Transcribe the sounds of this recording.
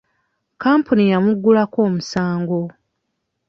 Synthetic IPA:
kaːmpunijamuɡːulako̞ːmusaːŋɡo̞

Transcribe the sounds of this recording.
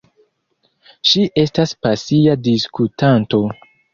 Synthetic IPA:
ʃiʔe̞staspasiadiskutanto̞

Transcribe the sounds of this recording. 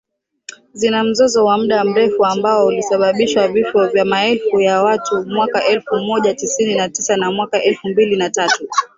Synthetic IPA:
zinam̩zɔzɔwam̩ɗam̩ɾɛfuambaɔulisaɓaɓiʃwavifɔvjamaɛlfujawatumwakaʔɛlfumɔʄatisininatisanamwakaʔɛlfumbilinatatu

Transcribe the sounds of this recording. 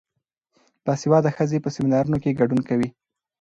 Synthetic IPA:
d̪̥ɑsewɑd̪axəzepəsɪminɑɾunokeɡaɖunkawi

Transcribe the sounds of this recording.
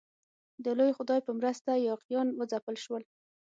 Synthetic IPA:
d̪əlojxʊd̪ɑjpəmɾəst̪ajɑqjɑnwəd͡zapəlʃwəl

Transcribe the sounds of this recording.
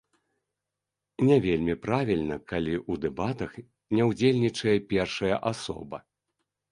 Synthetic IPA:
nʲɛvʲelʲmʲipɾavʲilʲnɐkalʲiʔud̪ɛbat̪ɐx | nʲɛwd͡zʲelʲnʲit͡ʂɐjɛpʲɛrʂɐjɐʔasɔ̰bɐ

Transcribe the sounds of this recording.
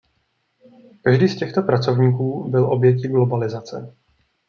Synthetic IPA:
kaʒdiːscɛxt̪o̞pɾat͡so̞vɲiːkuːbɪlʔo̞bjɛcɪɡlo̞balɪzat͡sɛ̰

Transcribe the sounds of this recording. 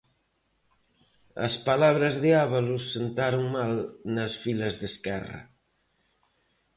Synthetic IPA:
ə̰spalaβɾəzðeaβalusːent̪aɾoŋmalnəsfiləzðəskɛrə̰

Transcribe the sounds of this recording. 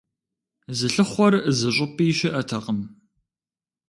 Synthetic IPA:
zɨɬɨχʷɔrzɨɕʼɪpʼiːʃɪʔɐtʰɐqəm

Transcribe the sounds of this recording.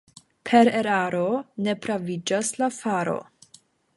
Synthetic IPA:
pʰe̞ɾeɾaɾone̞pɾavid͡ʒaslafaɾo̞̰

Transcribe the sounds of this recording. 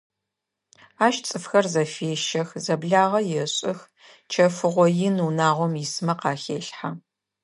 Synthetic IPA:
aːʃt͡sʼɨfxɐrzɐfeːʃɐxzɐbɮaːʁɐjɛɕʼɪx | t͡ʃʰɐfɨʁʷɔjɪnuːnaːʁʷɔmjɪsɨmɐqɑːxeːɬħa

